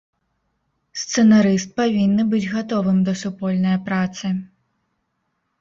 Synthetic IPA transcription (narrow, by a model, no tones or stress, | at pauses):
st̪sɛnaɾɨst̪̚pavʲinːɨbɨd͡zʲɣat̪ɔvɨmd̪ɐsupɔlʲnɐjɐpɾat̪sɨ